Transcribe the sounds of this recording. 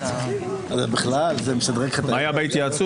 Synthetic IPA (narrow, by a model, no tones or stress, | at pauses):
azabiχlalzemeʃad̪ʁekχet̪aajabait̪ijat͡su